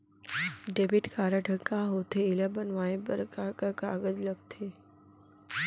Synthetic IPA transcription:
ɖeːbɪʈkaːɾəʈʰəkːaɦoːt̪ʰeɪləbənʋaːẽbə̰ɾkakakaːɡəd͡ʒləɡ̚t̪ʰeː

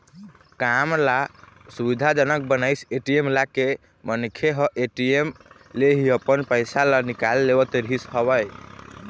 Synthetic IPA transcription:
kamla | subid̪ʱad͡ʒənək̚bənaɪseʈiemlake | mənkʰeɦəʔeʈiem | leɦiəpənpəjsalanikalːebət̪ɾishəβəj

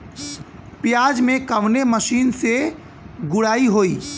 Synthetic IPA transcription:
pjaːd͡ʒmẽkəʋneməʃiːnse | ɡʊɽaːiɦoːiː

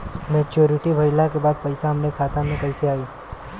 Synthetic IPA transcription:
mẽːt͡ʃoːɾɪʈibʱɐɪlakebaːd̪̚pɐɪsaɦɐmnekʰaːt̪amẽkɐɪseaːi

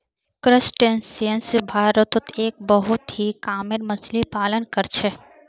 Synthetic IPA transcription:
kɾɪsʈensiənsbʱaːɾət̪ʊt̪eːk̚bəɦʊt̪ɦikaːmɪɾmɐslipaːlənkəɾt͡ʃʰe

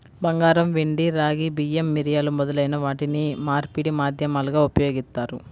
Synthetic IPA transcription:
bɐŋɡaːɾɐmʋeɳɖiɾaːɡibijemːiɾijaːlumɔd̪ɐlɐjinɐʋaːʈinimaːɾpiɽimaːd̪ʱjɐmaːluɡaːupɐjoːɡist̪aːɾu

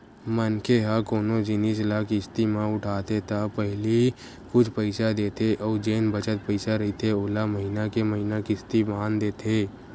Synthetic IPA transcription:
mənkeɦakoːnod͡ʒɪnislaːkist̪imãʊʈʰaːt̪et̪ʰapəɦli | kʊt͡ʃʰpəɪsad̪eːt̪ʰeʔɔːd͡ʒeːnbət͡ʃət̪̚pəɪsaɾɐit̪ʰeoːlaməɦinakeməɦinakist̪ibaːnd̪eːt̪ʰeː

